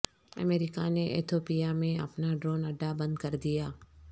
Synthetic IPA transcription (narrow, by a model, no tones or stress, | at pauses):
ɐ̰meːɾɪkaneʔḛt̪ʰoːpijamẽɐ̰pnaɖɾoːnɐɖːabɐ̃nd̪kɐɾd̪ijaː